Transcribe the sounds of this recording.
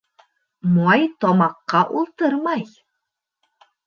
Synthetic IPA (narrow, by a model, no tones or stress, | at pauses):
moɑjt̪ɔmɑqːɑʔulˠt̪ɤɾmɑj